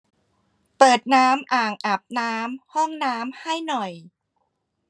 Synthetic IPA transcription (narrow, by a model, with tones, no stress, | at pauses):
pɤː˨˩t̪̚naː˦˥mʔaː˨˩ŋʔa˨˩p̚naː˦˥mhɔ˥˩ŋnaː˦˥mha˥˩jnɔ˨˩j